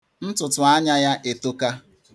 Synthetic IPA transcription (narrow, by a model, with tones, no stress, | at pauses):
n̩˦tʊ˨tʊ˨a˦ɲa˦ja˦ʔe˨to˦ka˦